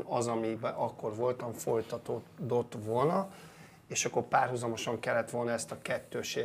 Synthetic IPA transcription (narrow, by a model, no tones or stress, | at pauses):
ɒzɒmibɛʔɒkːo̞rʋo̞lt̪ɒɱfo̞jt̪ɒt̪od̪o̞t̪ʋo̞lnɒ | eːʃɒkːo̞rpaːrɦuzɒmo̞ʃɒŋkɛlːɛt̪ʋo̞lnɒɛst̪ɒkɛt̪ːøːʃe